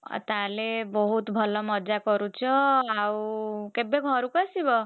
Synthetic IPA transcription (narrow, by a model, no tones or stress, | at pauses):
t̪alebɔɦut̪bʱɔlɔmʌd͡ʒakɔɾut͡ʃʰɔawkebeɡʱɔɾukɔsibɔ